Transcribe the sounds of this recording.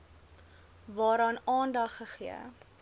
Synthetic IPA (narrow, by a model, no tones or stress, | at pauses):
vɑːɾɑːnɑːndɐχːəχiə̰